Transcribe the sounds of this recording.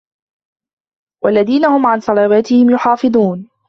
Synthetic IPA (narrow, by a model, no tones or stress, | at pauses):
wʔalːaðiːnahʊmʕansˤɑlawaːt̪ɪhɪmjʊħɑːfɨd̪ˤuːn